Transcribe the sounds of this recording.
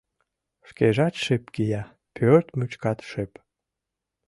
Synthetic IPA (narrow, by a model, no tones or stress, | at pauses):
ʃkeʒɑt̪ʃepkijɑ | pʰørt̪myt͡ɕkɑt̪ʃep